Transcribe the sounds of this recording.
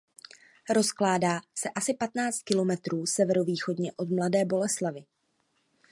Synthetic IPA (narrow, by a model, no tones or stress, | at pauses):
ɾo̞sklaːdaːsɛʔasɪpat̪naːt͡st̪̚kɪlo̞mɛt̪ɾuːsɛvɛɾo̞viːxo̞dɲɛʔo̞d̪mladɛːbo̞lɛslavɪ